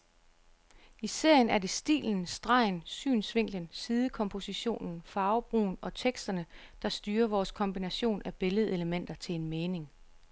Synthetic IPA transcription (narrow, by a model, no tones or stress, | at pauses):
ise̝ɐ̰jənæɐde̝sd̥ḭːln̩sd̥ʁɑ̈ɪ̰nsy̰ːnsʋe̝ŋ̰ɡ̥lənsiːð̞ˠəkʰɒ̽mpʰo̝siɕo̝̰ːnn̩fɑ̈ːʊb̥ʁṵːnɒ̽t͡sʰeɡ̥sd̥ɐnəd̥ɑ̈sd̥yːɐʋɒːskʰɒ̽mb̥inæɕo̝̰ːnæb̥e̝ləð̞̩ˠe̝ləmen̰d̥ɐt͡sʰe̝le̝nmeːne̝ŋ